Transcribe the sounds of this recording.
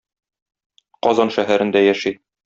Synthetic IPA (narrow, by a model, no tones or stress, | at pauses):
qɒzɑnʃæɦæɾɘ̆nd̪æjæʃi